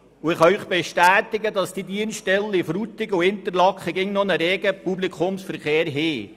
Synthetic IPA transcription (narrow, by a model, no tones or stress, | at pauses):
ʊɪχɑœʏχb̥ɛʃtæːt̪ɪɡədɑsd̥idiənsʃtɛlːifɾut̪ɪɡuɪnt̪əɾlɑkχəɡɪŋnɔnəɾeːɡəpublikʰʊmsfəɾχeːɾɦɪː